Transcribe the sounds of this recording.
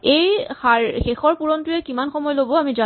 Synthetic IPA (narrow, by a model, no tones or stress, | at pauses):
ejxaɹxexɔɹpuɹɔntʊɛkimanxɔmɔjlobɔamiza